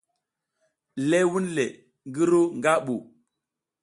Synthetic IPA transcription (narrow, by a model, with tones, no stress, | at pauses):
le˦wu˦nle˨ | ŋɡi˦ɾu˦ŋɡa˦ɓu˨